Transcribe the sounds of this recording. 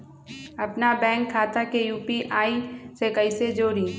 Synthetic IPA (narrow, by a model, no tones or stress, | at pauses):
ɐpnabɛ̃ːŋkʰːaːt̪akejuːpiʔaːisekəɪsed͡ʒoːɾĩː